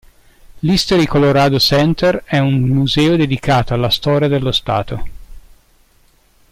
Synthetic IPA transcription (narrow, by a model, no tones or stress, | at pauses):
list̪oɾikoloɾaːd̪osɛnt̪ɛɾɛunmuzɛːod̪ed̪ikʰaːt̪oalːast̪ɔːɾjad̪elːost̪a̰ːt̪o